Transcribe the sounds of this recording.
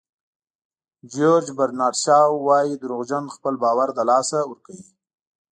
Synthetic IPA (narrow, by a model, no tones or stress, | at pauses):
d͡ʒoɾd͡ʒbaɾnɑʈʃɑwːɑːjid̪əɾuɣd͡ʒanxpəlbɑːwaɾd̪əlɑːsawəɾkawi